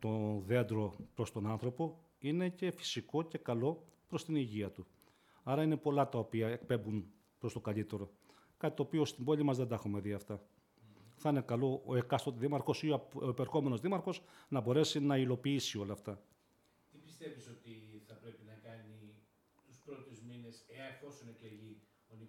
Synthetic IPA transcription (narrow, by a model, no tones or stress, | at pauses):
t̪o̞ðe̞nd̪ɾo̞pɾo̞st̪o̞nɐnθɾo̞po̞ | ine̞ce̞fi̥siko̞ce̞kɐlo̞pɾo̞st̪iniʝiɐt̪u | ɐɾɐine̞po̞lɐt̪ɐopiɐe̞kpe̞mbun | pɾo̞st̪o̞kɐʎit̪e̞ɾo̞ | kɐt̪it̪oːpio̞st̪imbo̞lʲimɐzðed̪ɐxume̞ðiɐft̪ɐ | θɐinekɐlo̞ekɐst̪ot̪iðimɐɾxo̞sioepeɾxo̞me̞no̞zðimɐɾxo̞snɐbo̞ɾe̞sinɐilo̞piːsio̞lɐft̪ɐ | t̪ipist̪e̞visot̪iθɐpɾe̞pinɐkɐni | t̪uspɾot̪uzmineseɐneθo̞sinekeʎi | oni